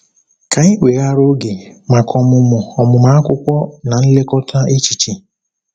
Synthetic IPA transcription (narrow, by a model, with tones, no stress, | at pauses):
ka˨i˦wʷe˨a˦ɾo˦ɡe˨ma˨kʰɔ˨mʊ˨mʊ˨ɔ˨mʊ˨ma˦a˦kʷʊ˦kʷɔ˦na˨n̩˦le˦kɔ˦tʰa˦e˦t͡ʃi˨t͡ʃi˨